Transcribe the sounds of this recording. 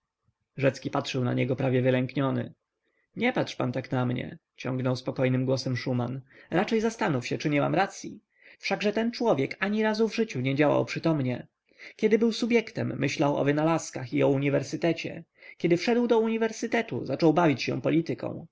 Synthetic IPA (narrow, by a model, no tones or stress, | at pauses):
ʐɛt̪skʲipatʂɘwna̰ɲɛɡɔpɾavʲjɛvɘlɛŋkɲɔnɘ̰ | ɲɛpatʂpant̪aknamɲɛ̰t͡ɕɔ̰ŋɡnɔwspɔkɔjnɘmɡwɔsɛmʂumanɾat͡ʂɛjzast̪anufɕɛt͡ʂɘɲɛma̰mɾat̪sʲji | fʂaɡʐɛt̪ɛnt͡ʂwɔvʲjɛkaɲiɾazuvʐɘt͡ɕuɲɛd͡ʑawa̰wpʂɘt̪ɔmɲɛ | kʲɛd̪ɘbɘwsubʲjɛkt̪ɛmːɘɕlawɔ̰vɘnalaskaxiɔuɲivɛɾsɘt̪ɛt͡ɕɛ̰ | kʲɛd̪ɘfʂɛd̪wd̪ɔuɲivɛɾsɘt̪ɛt̪ṵzat͡ʂɔwbavʲit͡ɕɕɛ̰̃pɔlʲit̪ɘkɔ̰̃w̃